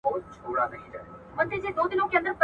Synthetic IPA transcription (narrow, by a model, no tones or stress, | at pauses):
ɔːt̪̚t͡ɕʰoːɽanɐɦĩd͡ʒaːe | mɐ̃nt̪ʰed͡ʑeːd̪oːd̪ɪnõkʰeɐ̃nd̪əɾp